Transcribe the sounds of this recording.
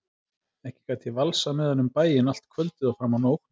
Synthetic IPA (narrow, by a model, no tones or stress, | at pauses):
ɛhcɪ̥kat̪ʰɪvalsamɛðanʏmpaːjɪnal̥t̪kʰvœlt̪ɪðawfɾaːmanowkn̥